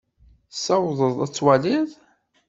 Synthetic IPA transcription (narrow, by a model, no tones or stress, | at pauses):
sɑwðˤəðˤæt͡sːwaliðˤ